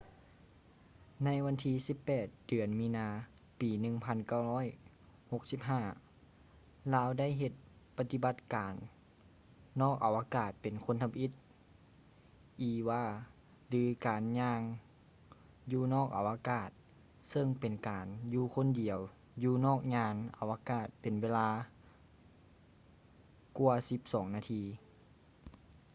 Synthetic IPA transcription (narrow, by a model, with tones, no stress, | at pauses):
na˧˥jʋa˧˥nt̪ʰiː˧˨si˧˦pːɛː˨˩t̪̚d̥ɯ˨˩ənmiː˧˥naː˧ | piː˨˩nɯ˧ŋpʰa˧˥˨nka˧˩whɔː˧˥˨j | ho˧˥k̚si˧˥p̚ɦaː˧˥˩ | laː˧˥wda˥˨jɦe˧t̪̚pa˧t̪i˧ba˧˥t̪̚kaː˨n | ɔː˥˩k̚ʔa˨˩wʔaː˧kaː˧˩t̪̚pe˨˩nkʰo˧˥˨nt̪ʰa˧pʔi˧˥t̪̚ | ʔiː˨˩waː˧˥ | lɯː˨˦kaː˨nɲaː˧ŋ | juː˧nɔː˥˩k̚ʔa˨˩wʔa˧kaː˧˩t̪̚ | sɤ˧˨ŋpe˨˩nkaː˨˩njuː˧kʰo˧˥˨ndi˨˩əw | juː˧nɔː˥˩k̚ɲaː˧˥nʔa˨˩wʔa˧kaː˧˩t̪̚pe˨nweː˧˥˧laː˧ | ku˧ɐsi˧˦p̚sɔː˨˩˦ŋnaː˧t̪ʰiː˧